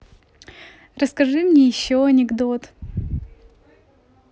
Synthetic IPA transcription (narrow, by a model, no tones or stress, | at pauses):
rəskɐʐɨmnʲɛjɪɕːoɐnʲɪɡd̪ot̪